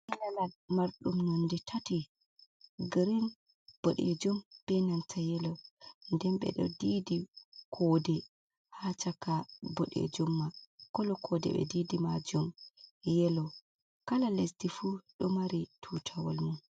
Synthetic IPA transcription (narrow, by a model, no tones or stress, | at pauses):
ʔilalalmaɾɗumnonditʰati | ɡəɾin | b̥ɔɗɛ̰d͡ʒumb̥ɛnantʰajɛlɔndɛnɓɛ̰ɗɔ̰diːdikʰɔːdɛ | hat͡ʃakabɔɗɛ̰d͡ʒumːakɔlɔkʰɔdɛ̰bɛ̰didimad͡ʒumjɛlɔ | kalalesdifuɗɔmaɾitʰutʰawɔ̰lmun